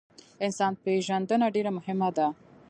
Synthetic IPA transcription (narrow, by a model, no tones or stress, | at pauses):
ɪnsɑnpeʒand̪ənaɖeɾamʊɦɪmad̪a